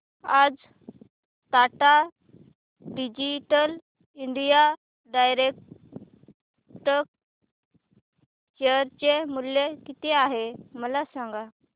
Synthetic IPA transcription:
ad͡z | t̪aʈa | ɖid͡ʑiʈəl | iɳɖija | ɖajɾek̚ | ʈək | ɕeəɾt͡ɕemulːjekit̪eaɦeməlasãŋɡa

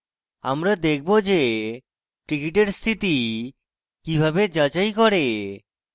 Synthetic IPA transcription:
a̰mɾad̪ekʰbod͡ʑe | ʈɾikiʈeɾst̪ʰit̪i | kibʱabed͡ʑat͡ɕajkɔɾe

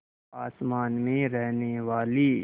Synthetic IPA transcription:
aːsmaːnmẽɾɛɦneʋaːli

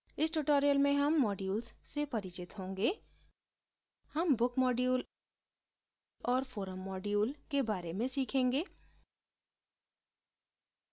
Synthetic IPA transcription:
ɪsʈʊʈoːɾijəlmẽɦɐmːɔːɖjuːlssepɐɾɪt͡ʃɪt̪ɦõːŋɡeː | hɐmbʊkmɔːɖjuːl | ɔːɾfoːɾəmːɔːɖjuːlkebaːɾemẽsiːkʰẽːŋɡeː

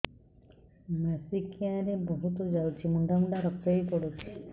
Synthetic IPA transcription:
mɛsikjãɾebɔɦut̪od͡ʒawt͡ʃʰimuɳd̪amd̪aɾɔkt̪əjkɔɽut͡ʃʰi̥

